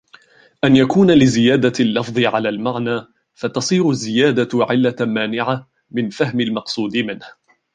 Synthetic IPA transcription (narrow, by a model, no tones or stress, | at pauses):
ʔanjakuːnalɪzɪjaːd̪alːɑfðˤɨʕalaːlmaʕnaː | fat̪ɑsˤiːɾʊzːɪjaːd̪aʕɪlːamaːnɪʕa | mɪnfahmɪlmɑqsˤuːd̪ɪmɪnh